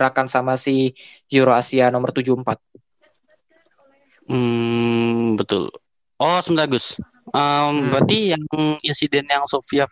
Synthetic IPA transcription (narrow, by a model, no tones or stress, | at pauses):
ɾakansamasi | juɾoasianɔmərt̪ud͡ʒuəmpat̪̚ | m̩ | bət̪ʊ̰l | ʔɔsəmənt̪aɡʊs | ʔəmbəɾat̪ijaŋinsidɛnjaŋsofia